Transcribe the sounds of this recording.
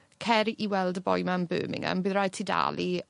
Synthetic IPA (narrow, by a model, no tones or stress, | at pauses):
kʰɛɾiʔiwɛlˠdəbɔjmanbøːmɪ̰ŋə̰nbɨːðraj̚tʰida̰lˠi